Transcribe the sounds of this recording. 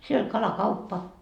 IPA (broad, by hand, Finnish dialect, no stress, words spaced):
siel olʲ kɑlɑkɑupːɑ